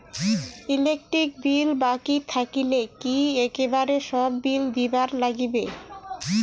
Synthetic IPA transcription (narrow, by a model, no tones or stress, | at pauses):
ilek̚ʈɾik̚bilbakit̪ʰakilekiekebaɾeʃɔbːild̪ibaɾlaɡibe